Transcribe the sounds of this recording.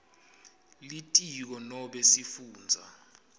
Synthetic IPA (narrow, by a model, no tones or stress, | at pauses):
litʼik̬ɔnɔɓɛsifuːnd͡zʱa̰